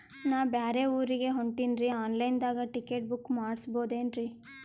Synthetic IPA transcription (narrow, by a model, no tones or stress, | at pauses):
naːʋbaːɾeuːɾiɡe̞ɦoɳʈinɾiaːnlɐjnd̪aːɡɐʈikːe̞ːʈ̚bukːmaːɽsbo̞ːd̪eːnɾi